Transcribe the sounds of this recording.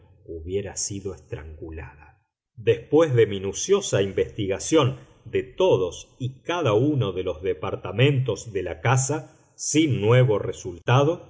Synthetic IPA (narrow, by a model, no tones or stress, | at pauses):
uβje̞ɾasiðo̞ekst̪ɾa̰ŋɡula̰ða | d̪e̞spwe̞zðe̞minusjo̞saimbe̞st̪iɣasjo̞n | d̪et̪oðosikaðaunoðelo̞zðepaɾt̪amẽ̞nt̪o̞zðe̞lakasa | sinːwe̞βo̞result̪aðo